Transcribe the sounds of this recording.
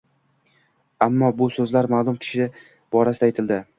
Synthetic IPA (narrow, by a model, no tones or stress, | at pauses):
amːɒbʊsɵzlaɾmalˠʊmkʲʰɪ̥ʃɪ | b̥ɒɾasɪd̪ajt̪ʰɪld̪ɪ